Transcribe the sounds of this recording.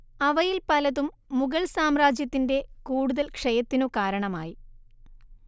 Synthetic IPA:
ɐʋɐjilpɐlɐðumː | uɣɐɭsaːmraːd͡ʑjɐt̪ːinde̞kuːɽuðɐlkʂɐjɐt̪ːinokaːɾɐɳɐmaːji

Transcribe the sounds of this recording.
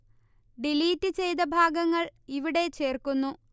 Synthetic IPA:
ɖiliːtːɨt͡ɕe̞jt̪ɐbʱaːɡɐŋːɐɭiʋiɽe̞t͡ɕe̞ːrkunːu

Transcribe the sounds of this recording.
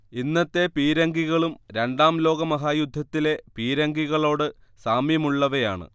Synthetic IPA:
inːɐt̪ːe̞piːɾɐŋɡiɣɐɭumɾe̞ɳɖaːmlo̞ːɡɐmɐɦaːjud̪ʱːɐt̪ːile̞piːɾɐŋɡiɣɐɭo̞ːɽɨsaːmjɐmuɭːɐʋejaːɳɨ̰

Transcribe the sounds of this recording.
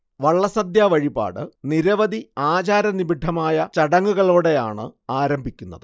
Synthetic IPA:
ʋɐɭːɐsɐd̪jaːʋɐɻiba̰ːɽɨniɾɐʋɐd̪iaːt͡ɕaːɾɐnibiɖʱːɐmaːjɐt͡ɕɐɽɐŋːuɣɐɭoːɽe̞ja̰ːɳɨaːɾɐmbʱikʲːunːɐðɨ

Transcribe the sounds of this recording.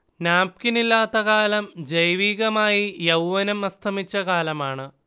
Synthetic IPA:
naːp̚kinilːaːt̪ːɐkaːlɐmd͡ʑɐjʋiːɣɐmaːjijɐwʋɐnɐmɐst̪ʰɐmit͡ɕːɐkaːlɐmaːɳɨ

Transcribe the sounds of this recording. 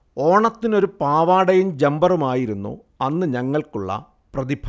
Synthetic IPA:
o̞ːɳɐt̪ːino̞ɾupaːʋaːɽɐjumd͡ʑembɐrumaːjiɾunːṵ | ɐnːɨɲɐŋːɐɭkuɭːɐ̰ | prɐðibʰʱɐ

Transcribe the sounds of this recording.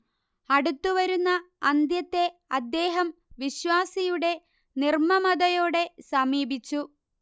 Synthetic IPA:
ɐɽut̪ːuʋɐɾunːɐː | nd̪jɐt̪ːe̞ɐd̪ːe̞ːɦɐmʋiɕʋaːsijuɽe̞ | nirmɐmɐd̪ɐjo̞ːɽe̞sɐmiːbʱit͡ɕːu

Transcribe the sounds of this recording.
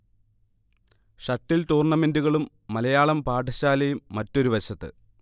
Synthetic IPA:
ʂɐʈːiltuːrɳɐme̞nduɣɐɭumːɐlɐjaːɭɐmpaːʈɐɕaːlɐjumːɐtːo̞ɾuʋɐɕɐt̪ːɨ̰

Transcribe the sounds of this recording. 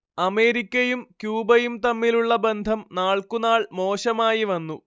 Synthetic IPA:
ɐme̞ːɾikʲːɐjumkjuːbɐjumt̪ɐmːiluɭːɐbe̞nd̪ʱɐmnaːɭkunaːɭmo̞ːɕɐmaːjiʋɐnːu

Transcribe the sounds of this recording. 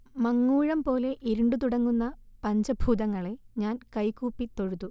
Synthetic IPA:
mɐŋːuːɻɐmpo̞ːle̞ʔiɾuɳɖut̪̬uɽɐŋːunːɐpɐɲd͡ʑɐbʱuːðɐŋːɐɭe̞ɲaːnkɐjkuːpːit̪o̞ɻut̪ːu

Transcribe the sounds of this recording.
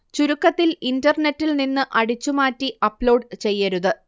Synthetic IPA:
t͡ɕuɾukːɐt̪ːilindɐrnetːilninːɨʔɐɽit͡ɕːumaːtːiʔɐpːlo̞ːɖt͡ɕe̞jːɐɾuðɨ

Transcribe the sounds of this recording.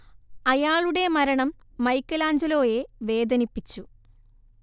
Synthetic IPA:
ɐjaːɭuɽe̞mɐɾɐɳɐmː | ɐjkːɐlaːɲd͡ʑɐlo̞ːjeʋe̞ːd̪ɐnipːit͡ɕːu

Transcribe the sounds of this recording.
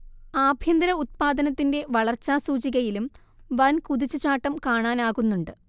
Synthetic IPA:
aːbʱjɐnd̪ɐɾɐut̪̚paːd̪ɐnɐt̪ːinde̞ʋɐɭɐrt͡ɕːaːsuːt͡ɕiɣɐjilum | ʋɐnkuðit͡ɕːut͡ɕaːʈːɐmkaːɳaːnaːɣunːuɳɖɨ

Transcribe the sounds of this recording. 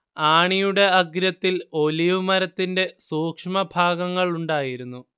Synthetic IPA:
aːɳijuɽe̞ɐɡɾɐt̪ːilo̞liʋumɐɾɐt̪ːinde̞suːkʂmɐbʱaːɡɐŋːɐɭuɳɖaːjiɾunːu

